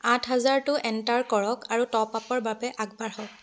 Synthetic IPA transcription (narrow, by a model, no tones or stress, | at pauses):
atʰɦazaɹtʊʔɛntaɹkɔɹɔkaɹutɔpapɔɹbabɛʔaɡ̚baɹhɔk̚